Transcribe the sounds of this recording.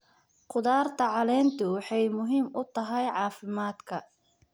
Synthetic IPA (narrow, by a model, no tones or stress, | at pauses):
qʊðaːrt̪ʰɐʕɑlɛːnt̪ʰʊwɑħɑjmʊɦiːmʔʊt̪ʰɐɦɛjʕɑːfɪmaːd̪kʰɐ